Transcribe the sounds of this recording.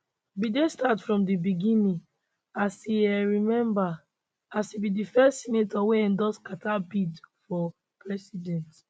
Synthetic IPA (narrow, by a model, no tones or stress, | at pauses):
bidestatfɹɔ̃mdibiɡĩnĩŋ | asiɛɹimɛ̃mba | asibidifɛstsinetɔweɛ̃ndɔskatʰabitfɔ | pɹɛsidɛ̃nt